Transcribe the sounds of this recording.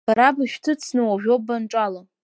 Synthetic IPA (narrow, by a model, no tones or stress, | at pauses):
b̥aɾabaʃᶣtʰɨt͡sʰnɨwaʒʲᶣobanʈ͡ʂʼala